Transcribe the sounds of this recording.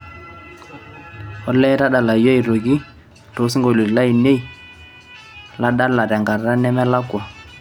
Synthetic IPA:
ɔ˦lɛ˦ta˦da˨la˨jo˦i˨ɾo˨ɡi˦ | to˨˦si˦ŋɡo˨li˨la˦i˨ne˦i˨ | la˦ɗa˦la˨ɾa˨ŋɡa˨ɾɾa˦nɛ˦mɛ˦la˦kwa˨

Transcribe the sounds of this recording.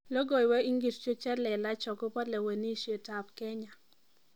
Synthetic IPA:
lo˦ɡo˨jwɛ˦i˦ŋɡi˨st͡ʃo˦t͡ʃɛ˦lɛ˨la˦t͡ʃɔ˨kɔ˦pɔ˦le˨we˨ni˦ʃe˨ta˨p̚kɛ˦ɲa˨

